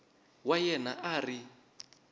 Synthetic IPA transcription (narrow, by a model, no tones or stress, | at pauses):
wajɛna̰ʔaːri